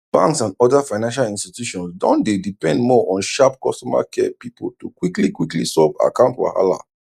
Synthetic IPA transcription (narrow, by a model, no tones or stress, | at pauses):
b̥ãŋksãndɔdafaɪnãnʃalĩnstitjuʃɔ̃nsdɔ̃ndedipɛ̃ndmɔʔɔ̃nʃap̚kɔstɔma̰kʰɛpipl̩tukwiklikwiklḭsɔva̰kãʊ̃ntwa̰ha̰la̰